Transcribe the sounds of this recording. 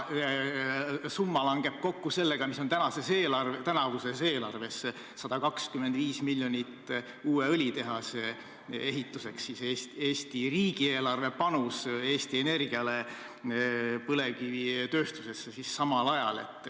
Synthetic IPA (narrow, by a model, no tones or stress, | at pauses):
sumːɑlɑŋɡ̥e̞b̥̚ko̞kːuse̞lːe̞ɡ̥ɑmiso̞nt̪ænɑse̞seːlɑrt̪ænɑvuse̞se̞ːlɑrve̞s | sɑd̪̥ɑkɑkskymːend̪viːsmilʲːjo̞nʲit̪ː | uːe̞ɤlʲit̪e̞ɦɑse | e̞ɦit̪ːˑuse̞ksːiseːst̪eːst̪iriːɡie̞ːlɑrve̞pɑnuse̞ːst̪ie̞ne̞rɡ̥iɑle̞ | pɤle̞kivit̪ø̞ːst̪use̞sːesisːɑmɑlɑjɑ̰le̞̰t̪ːˑ